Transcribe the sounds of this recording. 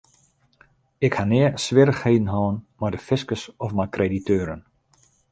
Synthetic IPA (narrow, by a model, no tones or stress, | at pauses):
ɪkhanɪəsʋɪɾəxheːdn̩ɦɔːənmadəfɪskəsɔfmakreditʰøːɾən